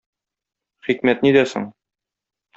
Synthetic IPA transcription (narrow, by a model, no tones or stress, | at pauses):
χikmæt̪nid̪æsɘ̰ɴ